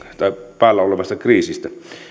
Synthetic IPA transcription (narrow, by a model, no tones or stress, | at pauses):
t̪ɑipæːlːæolemɑst̪ɑkriːsist̪æ